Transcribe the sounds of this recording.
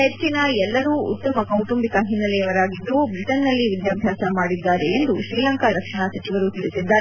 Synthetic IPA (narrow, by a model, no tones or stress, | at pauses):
ɐɐɾikinɐɛlːɐɾuːṵtt̪ːɐmɐkɐwʈumbikɐɦinːɐlɛjɐʋɐɾaːɡid̪ːubɾiʈɐnːɐlːiʋid̪jaːbʱjaːsɐmaːɽid̪ːaːɾeend̪uʃɾiːlɐŋkɐɾɐkʂɐɳɐsɐt͡ʃiʋɐɾut̪iɾisid̪ːaːɾ